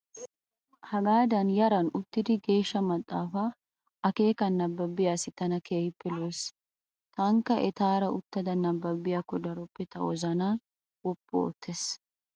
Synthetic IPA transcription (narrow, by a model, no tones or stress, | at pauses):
hɐɡaːd̪ɐnjɐɾɐnʊt̪ːɪd̪ɪɡe̞ːʃːɐmɐt̪ʼːaːfaː | ɐke̞ːkɐnːɐbːɐbːɪjaːsɪt̪ɐnɐkeːhɪpːɛloːs | t̪ɐŋkːɐʔɛt̪aːɾɐʊt̪ːɐd̪ɐnɐbːɐbːɪjakːɔd̪ɐɾɔpːɛt̪ɐʔɔzɐna | wɔpːɔo̰ːt̪ʰːes